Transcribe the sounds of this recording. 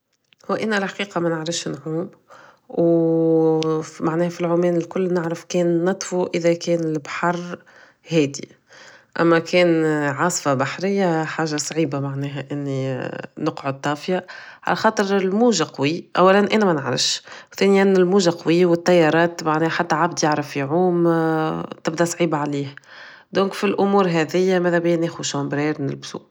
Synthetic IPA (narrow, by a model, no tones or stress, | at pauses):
hʊwʔɪnːælħḁqiːqɑmɛnəʕɾɪfʃnʕuːm | w | maʕnɛːhfilʕʊmɛːnɪlkʊlːnɪʕɾɪfkɛːnːɑt̪ˤfuʔɪðækɛːnɪlbħɑrˤ | hɛːd̪ḭ | ʔæ̰mːækʰɛːnʕɑːsˤfɑbaħɾɪjːaħaːʒasˤʕiːbamaʕnɛːɦæʔɪnːinʊqʕʊd̪̚t̪ˤːɑːfjaʕa̰læxɑːt̪ˤɨɾɪlmuːʒaqɑwiʔæ̰wːælænʔæːnæmænəʕɾɪ̰fʃwθæːnɪjænɪlmuːʒaqɑwiːwɪt̪ˤːɑjːɑːɾˤɑːt̪maʕnɛːhħat̪ːæʕabd̪jaʕɾəfːiʕuːm | t̪ɪb̚d̪æsˤʕiːbaʕaliːh | d̪õːŋkfilʔʊmuːɾɦɛðɪjːamæːðɛbjːneːxuʃɑːmbɾɛːɾnɪlbsṵ